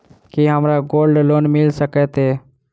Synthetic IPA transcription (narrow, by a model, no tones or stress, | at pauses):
kiɦəmɾaːɡoːlɖloːnmɪlsəkɛːt̪eː